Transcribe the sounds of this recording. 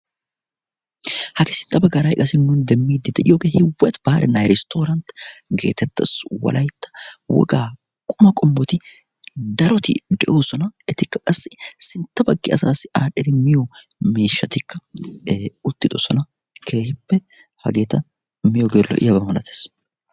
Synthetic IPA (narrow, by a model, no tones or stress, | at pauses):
hɐɡɛsɪnt̪ːɐbɐɡɐɾɐjkʼɐsɪnːʊnd̪ɛmːiːd̪ːɪd̪ɛʔɪjoːɡe̞ːhɪwːɛt̪b̥aːɾʔɛnɐjɾɛst̪o̞ːɾɐnt̪ɡe̞̰ːt̪ɛt̪ːɐswɔ̰lʔɐjt̪ːɐ̥wɔ̰ɡaː | kʼʊmɐkʼɔmbɔt̪ɪ | d̪ɐɾɔt̪ɪ̰d̪ɛʔo̞ːsɔnɐɛt̪ɪkːɐkʼɐsːɪsɪnt̪ːɐbɐɡːɪɐsaːsːɪʔaːᶑɛɾɪmɪjɔ | miːʃːɐt̪ɪkːɐ | ʊt̪ːɪd̪o̰sɔnɐ | kʰe̞ːhɪpːɛ | hɐ̰ɡe̞ːt̪ɐ | mɪjɔɡeːlːɔ̰ʔɪ̰jɐbɐmɐlɐt̪eːs